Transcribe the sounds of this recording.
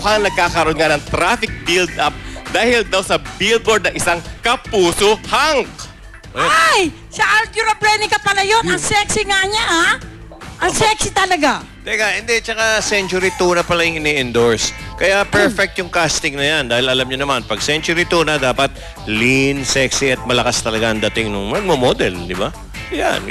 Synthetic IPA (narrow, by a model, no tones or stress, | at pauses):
ʊkaŋnɐɡ̚kaːkɐɾʔonŋanɐŋt̪ɾafɪk̚bild̪ʔap̚d̪aːhɪld̪awsɐbild̪̚boɹd̪nɐŋʔɪsaŋkɐpuːsohaŋ | ʔɐjaj | sɐʔalt̪juɾɐplɛnɪkɐpɐlajonɐŋsɛksiŋaɲaʔa | ʔɐŋsɛksit̪ɐlɐɡa | t̪ɡaʔɪnd̪ɛt͡ʃɐkasɛnt͡ʃʊɾit̪unɐpɐlajʊŋʔɪnɛʔɪnd̪oɹskɐjapɛɹfɛk̚t̪jʊŋkast̪ɪŋnɐjand̪aːhɪlɐlamɲʊnɐmanpɐɡ̚sɛnt͡ʃʊɾit̪uːnɐd̪aːpɐt̪̚ | linsɛksiʔɐt̪̚mɐlɐkast̪ɐlɐɡaʔɐnd̪ɐt̪ɪŋnʊŋnɐɡ̚momod̪ɛld̪ɪba | ja̰n